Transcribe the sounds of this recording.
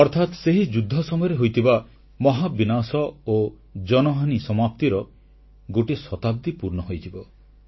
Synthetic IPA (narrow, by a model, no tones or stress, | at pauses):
ɔɾt̪ʰat̪seɦid͡ʒud̪ʱːɔsɔmɔjɔɾeɦojt̪ʰiba | mɔɦabinasɔo | d͡ʒɔnɔɦanisɔmap̚t̪iɾɔ | ɡoʈisɔt̪ab̚d̪ipuɾnɔɦojt̪ʰibɔ